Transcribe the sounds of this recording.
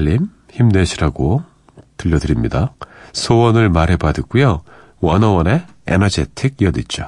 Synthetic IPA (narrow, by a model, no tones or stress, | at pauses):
ʎːim | çimne̞ɕʰiɾaɡo | tɯʎːʌdɯɾimɲidasʰowʌnɯɭmaɾɦe̞badɯk͈ujo | wʌnʌwʌne̞ | ḛnʌd͡ʑe̞tʰiɡ̚jʌdit̚t͡ɕ͈o